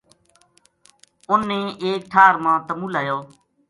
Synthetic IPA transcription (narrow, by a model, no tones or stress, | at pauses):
ʊnːẽːʔeːk̚ʈʰaːɾmãːt̪əmuːlaːjoː